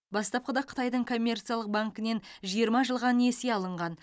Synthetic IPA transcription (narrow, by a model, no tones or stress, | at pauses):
bɑst̪ɑp̚qəd̪ɑqʰə̥t̪ɑjd̪əɴkʰo̞mʲːe̞rt̪sɨjalˠəq̚baŋkɪne̞nʒijəɾmɑʒəlˠʁɑneseɑlˠəɴʁɑn